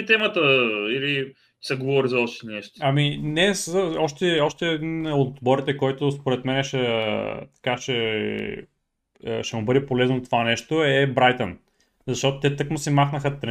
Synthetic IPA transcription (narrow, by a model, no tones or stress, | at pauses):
t̪ɛmət̪əili | sɐɡovɔɾizɐɔʃt̪inɛʃt̪ɐminɛsəɔʃt̪ɛɔʃt̪ɛd̪inot̪bɔɾit̪ɛkɔjt̪ʊspoɾɛt̪mɛnɛʃɛt̪ɐ̥kat͡ʃɛ | ʃɛmʊbɤd̪ɛpolɛznot̪ovanɛʃt̪oɛbɾajt̪ən | zɐʃt̪ɔt̪ot̪ɛt̪ɤkmosɛmaxnəxət̪ɾ